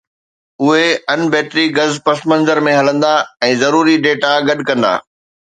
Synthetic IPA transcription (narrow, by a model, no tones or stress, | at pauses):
ʊɦeɐnbɛːt̪ɾiɡɐzpɐsmɐ̃nzəɾmẽɦɐlə̃nd̪aɛ̃ːzɐɾuːɾiɖeːʈaɡɐɗkɐ̃nd̪a̰ː